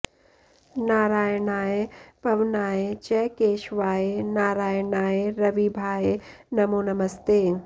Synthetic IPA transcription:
naːɾaːjnaːeb̥ʱɐʋnaːet͡ʃɛkeːʃʋaːenaːɾaːjɳaːeɾɐʋibʱaːje | nɐmoːnɐmɐst̪eː

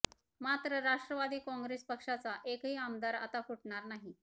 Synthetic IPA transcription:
mat̪ɾəɾaʂʈɾəʋad̪iːkɔ̃ŋɡɾespəkʂat͡saʔekɦiːamd̪aɾa̰t̪akuʈɳaɾnaɦi

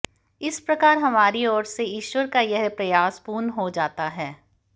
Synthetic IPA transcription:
ɪspɾɐkaːɾɦɐmaːɾiɔːɾseɪːʃwəɾkajɐɦpɾɐjaːspuːnɦod͡ʒaːt̪aɦɛː

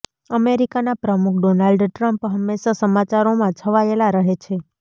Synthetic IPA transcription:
əmeɾikanapɾəmukʰɖonalɖʈɾəmpɦəmːeʃasəmat͡ʃaɾomãt͡ʃʰəʋaelaɾəɦet͡ʃʰe

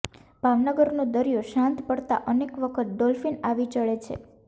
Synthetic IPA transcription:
b̥ʱaʋnəɡəɾnõd̪əɾijoʃãnt̪pəɽt̪a̰ʔənekʋəkʰət̪̚d̪ɔlfinaʋit͡ʃəɭet͡ʃʰḛ

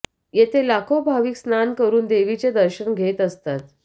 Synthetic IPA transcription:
jet̪ʰelakʰobʱaʋiːksnankəɾuːnd̪eʋit͡ɕed̪əɾɕənɡʱet̪əst̪at̪̚

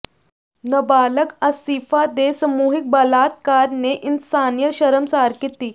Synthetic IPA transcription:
nəbaləkasifad̪esəmuɦik̚bəlat̪̚kaɾneʔinsanijəɕəɾəmsaɾkit̪iː

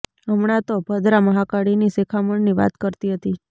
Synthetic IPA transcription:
əmɳat̪obʱəd̪ɾaməɦakaɽinisekʰaməɳniʋa̰t̪kəɾt̪iɦət̪i

